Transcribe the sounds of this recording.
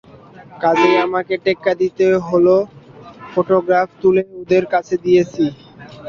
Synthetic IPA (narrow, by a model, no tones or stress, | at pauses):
kad͡ʑeamakeʈekːad̪it̪eɦolo | foʈoɡɾaft̪uleud̪eɾkat͡ɕʰed̪ijet͡ɕʰi